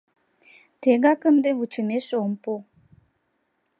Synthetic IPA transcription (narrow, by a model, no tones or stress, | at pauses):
t̪eɡakənd̪eʋut͡ʃʰuneʃompo